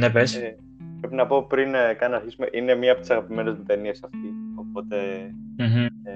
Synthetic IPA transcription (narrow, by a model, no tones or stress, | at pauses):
nepes | pɾepinɐpo̞pɾinkɐnɐɾçisumeʔine̞miɐpot̪isɐɣɐpime̞nezmit̪eniesɐft̪io̞po̞t̪e̞m̩ɦ̩